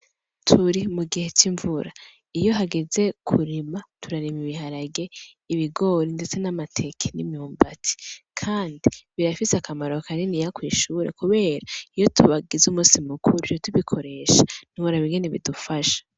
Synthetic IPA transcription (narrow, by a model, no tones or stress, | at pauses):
tʰuɾimuɡihe̞t͡ʃiɱvuɾa | ijo̞ɦaɡe̞ze̞kʰuɾimatʰuɾaɾimiβihaɾaɡe̞ | iβiɡo̞ːɾinde̞t͡se̞namatʰe̞kʰenḭmjuːmbatʰi̥kʰaːndiβiɾafisakʰamaɾo̞kʰaninijakwiːʃuːɾḛkuβe̞ːɾaijo̞tʰuβaɡizumuːsimukuɾujotuβikʰo̞ɾe̞ʃḁnuβoɾaβiŋɡe̞ne̞βidufaʃḁ